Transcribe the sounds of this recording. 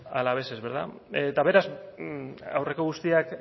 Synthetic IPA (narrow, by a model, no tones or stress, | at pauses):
alaβesezβe̞ɾða̰et̪aβe̞ɾaz | a̰wre̞ko̞ɣ̞ust̪iak